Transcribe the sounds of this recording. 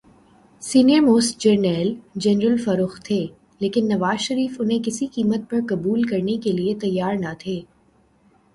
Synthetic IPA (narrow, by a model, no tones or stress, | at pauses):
siːniəɾmoːsʈd͡ʒɐɾnɛːld͡ʒɛnɾəlfɐɾʊxt̪ʰeː | leːkɪnːɐʋaːzʃɐɾiːfʊnɦẽkɪsikiːmət̪̚pɐɾkɐbuːlkɐɾnekeliet̪ɐjːaːɾnɐt̪ʰeː